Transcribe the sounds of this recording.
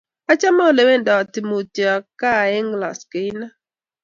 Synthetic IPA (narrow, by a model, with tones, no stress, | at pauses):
a˦t͡ʃa˦mɔ˦˨le˨we˦˨ndɔ˨ti˨mo˨te˨a˨ka˦˨ɛ˦ŋɡla̰˨ske˨ɪ˦na˦